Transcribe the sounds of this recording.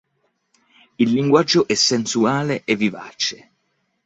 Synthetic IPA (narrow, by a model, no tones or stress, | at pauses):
ilːiŋɡwad͡ʒːoʔɛsensuaːleʔevːiva̰t͡ʃe